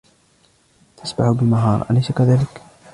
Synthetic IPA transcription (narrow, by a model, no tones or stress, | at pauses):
t̪ʰasbaħʊbɪmaɦɑ̰ːɾˤʔa̰lajsakaðaːlɪk